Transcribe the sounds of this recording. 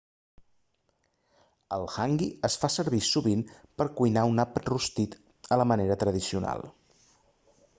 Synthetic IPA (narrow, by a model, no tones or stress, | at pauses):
əlˠxaŋɡiəsfasəɾβisuβinpəɾkujnaunapət̪rust̪it̪ | ələməneɾət̪ɾəð̞isiuna̰lˠ